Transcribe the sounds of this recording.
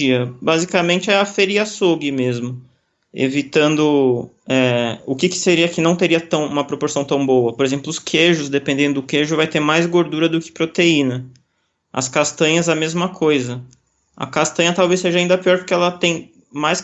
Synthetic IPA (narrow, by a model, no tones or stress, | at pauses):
iɐbazikamẽnt͡ʃɪɛɐfeɾiɐsoɡɪmezmʊ | ḛvit̪ɐ̃nd̪ʊ | ɛʊkɪkɪ̥seɾiɐkɪnɐ̃w̃t̪eɾiɐt̪ɐ̃w̃ũmɐpɾopoɾsɐ̃w̃t̪ɐ̃w̃bowɐpoɾezẽmplʊʊskʰeʒʊzd̪epẽnd̪ẽnd̪ʊʊkeʒʊvajt̪eɾmajzɡoɾd̪uɾɐd̪ʊkɪ̥pɾot̪einɐ | ɐ̰skast̪ɐ̃ɲɐzɛɐmezmɐkʰojzɐ | ɐ̰kast̪ɐ̃ɲɐt̪awvejseʒɐaĩnd̪ɐpiɔɾpʊɾkɪɛlɐt̪ẽj̃ | majs